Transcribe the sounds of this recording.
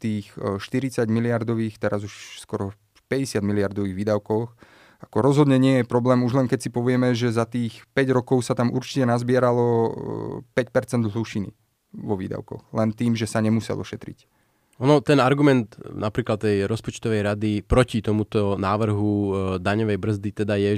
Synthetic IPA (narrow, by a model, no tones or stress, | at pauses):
t̪iːxʃt̪iɾit͡saɟmiliaɾd̪ɔʋiːxt̪ɛɾazuʃskɔɾɔ | pɛɟɛsɪad̪miliaɾd̪ɔʋiːɣʋiːd̪aʊkɔx | akɔɾɔzɦɔd̪ɲɛɲɪɛjɛpɾɔblɛːmuʒlɛŋkɛcsipɔʋɪɛmɛʒɛzat̪iːxpɛɟɾɔkɔʊsat̪amʔṵɾt͡ʃi̥cɛnazbɪɛɾalɔ | pɛcpɛɾt͡sɛnd̪ɦluʃinḭ | ʋɔʋḭːd̪a̰ʊkɔ̰xlɛnt̪iːmʒɛsaɲɛmusɛ̰lʔɔ̰ʃɛt̪ɾḭc | ɔnɔt̪ɛnaɾɡumɛnd̪napɾiːklat̪̚t̪ːɛjɾɔspɔt͡ʃt̪ɔʋɛjɾad̪ipɾɔcit̪ɔmut̪ɔnaːʋr̩ɦud̪aɲɔʋɛjbr̩zd̪it̪ɛd̪ajɛ